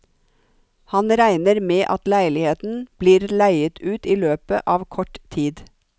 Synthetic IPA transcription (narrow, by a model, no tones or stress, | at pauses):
hɑnɾæɪnəɾmeːʔɑt̪læɪlɪheːt̪n̩b̥liːɾlæɪət̪ʰʉːt̪iːløːpə̰ʔɑːʋkʰɔʈt̪ʰiːd̪